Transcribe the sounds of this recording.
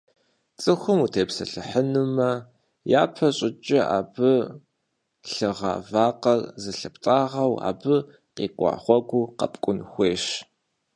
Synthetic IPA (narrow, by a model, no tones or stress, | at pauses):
t͡sʼɨxʷʊmutʰeːpsɐɬɨħənumɐ | jaːpʰɐɕʼɪt͡ʃʼɪa̰ːbɨ | ɬɨʁa̰ːvaːqɐrzɨɬɨptʼaːʁɐwa̰ːbɨ | qiːkʷʼɑ̰ːχʷɔɡʷuqɐ̰pʼkʷʼʊnxʷeːʃ